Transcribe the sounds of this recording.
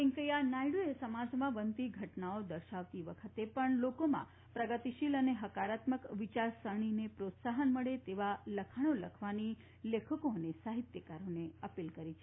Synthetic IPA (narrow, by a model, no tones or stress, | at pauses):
ĩŋkəjanajɽoesəmad͡ʒmãʋənt̪iɡʱəʈnaod̪əɾʃaʋt̪iʋəkʰət̪epəɳlokomã̰ | pɾəɡət̪iʃiləneɦəkaɾat̪məkʋit͡ʃaɾsəɳ̃inepɾot̪saɦənməɭet̪eʋaləkʰaɽ̃oləkʰʋani | lekʰəkoənesaɦit̪jəkaɾoneəpilkəɾit͡ʃʰe